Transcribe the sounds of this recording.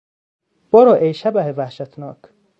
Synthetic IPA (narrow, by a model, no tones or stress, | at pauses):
b̥ɒɾɔʔejʃæbæhevæhʃæt̪ʰnɒ̰ːk